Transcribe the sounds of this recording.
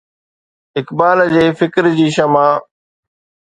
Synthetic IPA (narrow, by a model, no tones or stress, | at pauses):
ɪkbaːld͡ʑeːfɪkɾd͡ʑiːʃəmãː